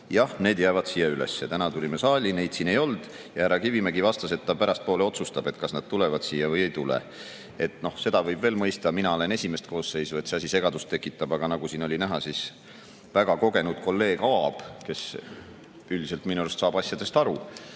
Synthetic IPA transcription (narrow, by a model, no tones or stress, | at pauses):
jɑhne̞ːd̪̥jæːvɑd̪̥sijɑylḛsːet̪ænɑt̪ulʲimesɑːlʲine̞jd̪̥siːne̞jo̞ld̪̥ | jɑæɾɑkivimeɡivɑst̪ɑse̞t̪ːɑpæɾɑst̪̚po̞ːle̞o̞t̪sust̪ɑb̥e̞t̪kɑsnɑd̪̥̚t̪ulevɑd̪̥siːjɑvɤje̞jt̪ulḛ | e̞t̪ˑno̞hse̞d̪̥ɑvɤjbve̞ːlmɤ̞jst̪ɑminɑole̞ne̞sʲime̞st̪̚ko̞ːsse̞jsue̞t̪seɑs̬ʲise̞ɡ̥ɑd̪ust̪ːe̞kːˑit̪ːˑɑb̥ɑɡ̥ɑnɑɡ̥usiːno̞lʲinæɦɑsis | væɡ̥ɑko̞ɡe̞nud̪̥ko̞lːe̞ːɡ̥ɑɑb̥ke̞s | yld̪ise̞lt̪minuelst̪sɑːb̥ɑsʲjɑd̪̥e̞st̪ɑɾu